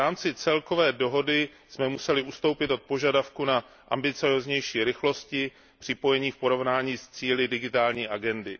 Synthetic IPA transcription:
aːmt͡sɪt͡sɛlkovɛːdo̞ɦo̞dɪ | smɛmusɛlɪʔust̪o̞wpɪt̪o̞t̪̚po̞ʒadafkuna | ʔa̰mbɪt͡sɪozɲɛjʃiːɾɪxlo̞scɪ | pr̥ɪpo̞jɛɲiːfpo̞ɾo̞vnaːɲiːst͡siːlɪdɪɡɪt̪aːlɲiːʔaɡɛndɪ

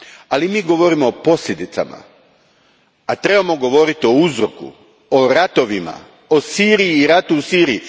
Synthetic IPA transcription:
alimiːɡo̞ʋo̞ɾimoːpo̞sʎʲed̪it̪sa̰ma̰ | at̪ɾe̞bamo̞ɡo̞ʋo̞ɾit̪io̞uzɾo̞̰kṵ | oɾat̪o̞ʋima̰ | osiːɾijiːɾat̪usiːɾii

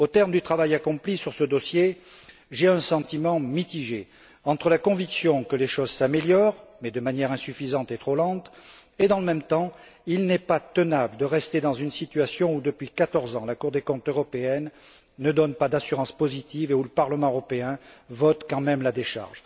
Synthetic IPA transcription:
ot̪ɛʁmd̪yt̪χavajakɔ̃plisyʁsəd̪ɔsje | ʒɛɛ̃sɑ̃t̪imɑ̃mit̪iʒe | ɑ̃t̪χəlakɔ̃viksjɔ̃kəleʃɔzsameljɔʁmɛd̪əmanjɛʁɛ̃syfizɑ̃t̪et̪χolɑ̃t̪ | ed̪ɑ̃ləmɛmt̪ɑ̃ | ilnɛpat̪ənabləd̪əʁɛst̪ed̪ɑ̃zynsit̪yasjɔ̃ud̪əpɥikat̪ɔʁzɑ̃lakuʁd̪ekɔ̃t̪øʁɔpeɛnː | əd̪ɔnpad̪asyʁɑ̃spɔzit̪iveuləpaʁləmɑ̃øʁɔpeɛ̃vɔt̪kɑ̃mɛmlad̪eʃa̰ʁʒ

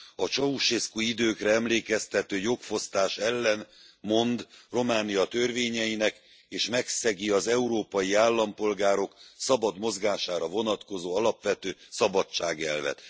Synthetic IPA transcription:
ɒt͡ʃɒuʃeskuid̪øːkrɛɛmleːkɛst̪ɛt̪øːjokfo̞st̪aːʃɛlːɛn | mo̞nd̪ro̞maːnijɒt̪ø̞rveːɲɛjinɛk | eːʃmɛksɛɡiɒzɛuɾoːpɒjiaːlːɒmpo̞lɡaːɾo̞ksɒbɒd̪mo̞zɡaːʃaːɾɒvo̞nɒt̪ko̞zoːɒlɒpʋɛt̪øːsɒbɒt͡ʃːaːɡɛ̰lvɛ̰t̪

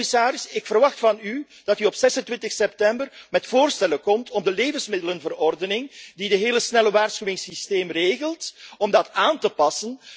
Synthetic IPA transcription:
ɪsaːɾɪsɪkfərʋɑxtfɑny | d̥ɑtyɔpsɛsəntwɪntəxsɛp̚tɛmbərmɛtfoːrstɛləkɔmtʰɔmdəleːvənsmɪdələnvərɔrdənɪŋdidəɦeːləsnɛləʋaːrsxywɪŋsisteːmreːɣəlˠtɔmdɑtaːntəpɑsən

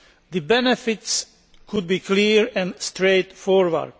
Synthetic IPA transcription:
ðəbɛnɛfɪts | kʰʊd̪̚biːkʰliɹɛ̃nst̪ɹeɪt̪fɔːɹwə̰ɹd

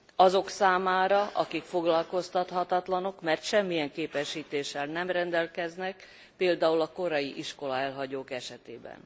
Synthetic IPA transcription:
ɒzo̞ksaːmaːɾɒʔɒkikfo̞ɡlɒlko̞st̪ɒt̪hɒt̪ɒt̪lɒno̞kmɛrt̪ʃɛmːijɛŋkeːpɛʃːiːt̪eːʃːɛlnɛmrɛnd̪ɛlkɛznɛk | peːld̪aːulɒko̞ɾɒjiʔiʃko̞lɒɛlɦɒɟoːkɛʃɛt̪eːbɛ̰n

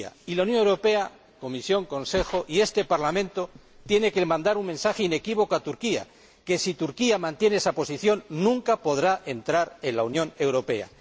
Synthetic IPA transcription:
a̰ilaunjõ̞newɾo̞pe̞a | ko̞misjo̞ŋko̞nse̞xo̞ʔie̞st̪e̞paɾlamẽ̞nt̪o̞ | t̪je̞ne̞kelmãnd̪aɾuŋmẽ̞nsaxeine̞kiβ̞o̞koat̪uɾkia̰ | ke̞sit̪uɾkiamãnt̪je̞neesapo̞siθjo̞nːũŋkapo̞ðɾaʔe̞nt̪ɾaɾe̞nlaunjõ̞ne̞wɾo̞pe̞̰a̰

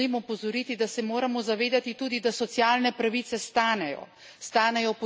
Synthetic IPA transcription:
imupɔzɔɾit̪id̪asɛmoːɾamɔzaʋeːd̪at̪it̪uːd̪id̪asɔt̪sjaːlnɛpɾaʋiːt̪sɛst̪aːnɛjɔ̰ | st̪aːnɛjɔpɔ

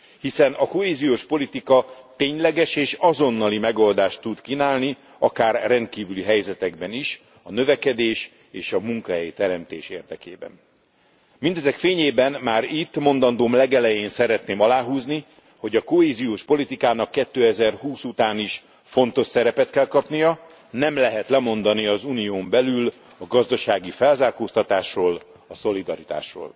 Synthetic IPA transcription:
hisɛnɒko̞ɦeːzijoːʃpo̞lit̪ikɒt̪eːɲlɛɡɛʃeːʃɒzo̞nːɒlimɛɡo̞ld̪aːʃt̪ːut̪kinaːlni | ɒkaːrːɛnt̪̚kiːvyliɦɛjzɛt̪ɛɡ̚bɛniʃ | ɒnø̞vɛkɛd̪eːʃ | eːʃɒmuŋkɒɦɛjt̪ɛɾɛmt̪ḛːʃeːrd̪ɛkḛːbɛ̰n | mind̪ɛzɛkfeːɲeːbɛnmaːɾit̪ːmo̞nd̪ɒnd̪oːmlɛɡɛlɛjeːnsɛɾɛt̪neːmɒlaːɦuːzni | ho̞ɟɒko̞ɦeːzijoːʃpo̞lit̪ikaːnɒkːɛt̪ːøːɛzɛrhuːsut̪aːniʃ | fo̞nt̪o̞ʃsɛɾɛpɛt̪kɛlkɒpnijɒ | nɛmlɛɦɛt̪lɛmo̞nd̪ɒniɒzuːnijoːmbɛlyl | ɒɡɒzd̪ɒʃaːɡifɛlzaːkoːst̪ɒt̪aːʃroːl | ɒso̞lid̪ɒɾit̪a̰ːʃro̰ːl

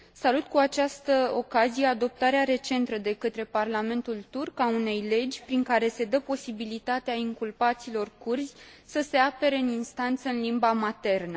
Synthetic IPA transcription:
salut̪kuat͡ʃast̪əo̞kazije̞ad̪o̞p̚t̪aɾeaɾe̞t͡ʃe̞nt̪əd̪e̞kət̪ɾe̞parlame̞nt̪ult̪urkaune̞jle̞d͡ʒʲpɾiŋkaɾe̞se̞d̪əpo̞sibilit̪at̪eaiŋkulpat̪silo̞rkurzʲsəse̞ape̞ɾe̞ɨninst̪ant̪səɨnlimbamat̪e̞rnə

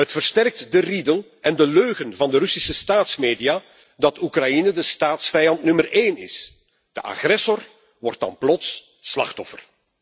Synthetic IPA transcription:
ɦətfərstɛrk̚tdəridəlˠ | ɛndəløːɣənvɑndərʏsisəstaːtsmeːdija | dɑtukrɑjinədəstaːtsfɛjɑntnɵməreːnɪ̰s | d̥əʔa̰xrɛsɔr | ʋɔrt̚ɑ̰nplɔts | slɑ̰xtɔfər

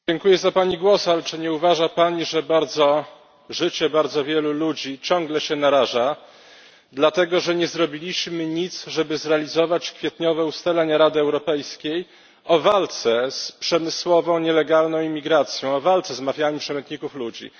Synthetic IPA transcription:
d͡ʑɛŋkujɛzapaɲiɡwɔsalɛt͡ʂɘɲɛuvaʐapaɲiʐɛbaɾd̪zɔ | ʐɘt͡ɕɛbaɾd̪zɔvʲjɛlulud͡ʑit͡ɕɔ̃ŋɡlɛɕɛnaɾaʐa | d̪lat̪ɛɡɔʐɛɲɛzɾɔbʲilʲiɕmɘɲit̪sʐɛbɘzɾɛalʲizɔvat͡ɕkfʲjɛt̪ɲɔvɛust̪alɛɲaɾad̪ɘɛwɾɔpɛjskʲej | ɔvalt̪sɛspʂɛmɘswɔvɔ̃w̃ɲɛlɛɡalnɔ̃w̃imʲːiɡɾat̪sʲjɔ̃w̃ɔvalt̪sɛzmafʲjaɲupʂɛmɛnt̪ɲikuflud͡ʑḭ

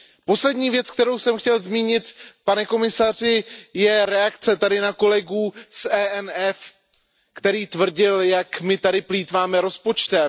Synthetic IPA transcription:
po̞slɛdɲiːvjɛt͡sk̚t̪ɛɾowsɛmxcɛlzmiːɲɪt̪panɛko̞mɪsar̝ɪjɛɾɛakt͡sɛt̪adɪnako̞lɛɡuːsɛːɛnɛf | kt̪ɛɾiːt̪vr̩ɟɪljakmɪt̪adɪpliːt̪vaːmɛɾo̞spo̞t͡ʃt̪ɛ

